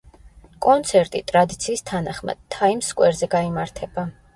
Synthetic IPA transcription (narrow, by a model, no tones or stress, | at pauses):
kʼɔnt̪sʰɛɾt̪ʼit̪ʼɾad̪it̪sʰiːst̪ʰanaχma̰d̪̥̚t̪ʰaimskʼwɛɾzɛɡaimaɾt̪ʰɛb̥a